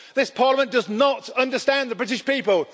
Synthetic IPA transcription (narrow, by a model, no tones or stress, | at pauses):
ðɪspʰɑːˑləmə̃nd̥ʌznətʌ̃ndəstæ̃nðəbɹɪtɪʃpiˑpəlˠ